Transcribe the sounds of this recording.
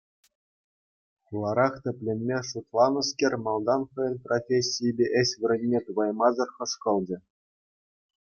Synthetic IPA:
χulˠɑɾɑχtʲɘ̆pʲlʲĕnʲmʲeʂut̪lˠɑnɤ̆skʲerʲmɑlˠd̪ɑnχɤ̆jɤ̆nprofʲesʲːijbʲeʔɘ̆sʲʋʲɘ̆ɾʲɘ̆nʲːet̪uvɑjmɑzɤ̆rχɤ̆ʂkɤ̆lˠd͡ʑɘ̆

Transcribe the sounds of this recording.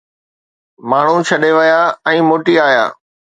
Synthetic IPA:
maːɳ̤ut͡ɕʰɐɗeʋɐjaːɛ̃ːmoːʈiaːja̰ː

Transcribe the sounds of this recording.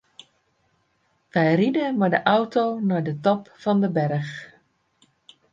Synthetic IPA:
ʋɛjridəmaɹdəʔɔwtownaɹdətɔpfɑndəbɛrəχ

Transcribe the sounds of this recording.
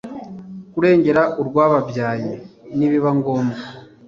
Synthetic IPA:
kuɾe̞ːɲɟe̞ɾaʔuɾɡwaːβavjaːjeniβiβaŋɡo̞ːma

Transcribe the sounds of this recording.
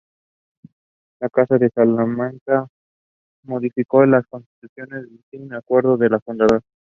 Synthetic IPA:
lakasaðe̞salamãŋka | mo̞ðifiko̞lasko̞nst̪i̥t̪usjo̞ne̞zðesiɣneakwe̞ɾðo̞ðe̞lafund̪aðoɾa

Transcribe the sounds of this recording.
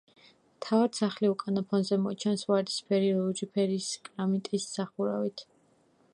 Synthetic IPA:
t̪ʰavad̪̥saχliukʼanɔpʰɔnzɛmɔt͡ʃʰɛnsvaɾd̪i̥spʰɛɾiɾɔɔd͡ʒipʰɛɾiːskʼɾamit̪ʼisːaχuɾa̰vit̪ʰ

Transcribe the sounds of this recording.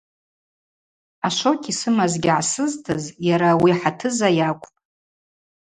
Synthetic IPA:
aʃʷokʲʰisɨmazɡʲɪʕasɨztʰɨzjaɾawiħatʰɨzajakʷʼtʼ

